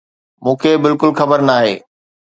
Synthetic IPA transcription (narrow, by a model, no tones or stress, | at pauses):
mũːkʰeːbɪlkʊlxɐbəɾnaːɦḛː